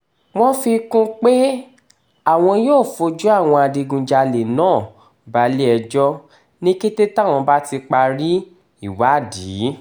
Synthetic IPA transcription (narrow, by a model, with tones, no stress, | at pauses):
w̃ɔ̃˦fi˧kũ˦k͡pe˦ | a˦˨w̃ɔ̃˧joː˦˨fo˧d͡ʒu˦a˦˨w̃ɔ̃˧a˧di˧ɡũ˨d͡ʒa˧le˨nãː˦˨ | ba˧˦li˦ɛ˧d͡ʒɔ˦ | nĩ˦ki˦te˦ta˦˨w̃ɔ̃˧ba˦ti˧k͡pa˧ɾi˦ | i˦˨wa˨˦˨diː˨˦